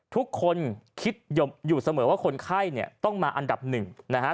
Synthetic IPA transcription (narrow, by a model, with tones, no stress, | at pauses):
t̪ʰu˦˥kʰːo˧nkʰi˦˥t̪̚jo˧mjuː˨˩sa˧mɤː˩˦waː˥˩kʰo˧nkʰa˥˩jni˥˩ɐt̪ɔ˥˩ŋmaː˧ʔa˧nda˨˩p̚nɯ˨˩ŋna˦˥kʰa˦˥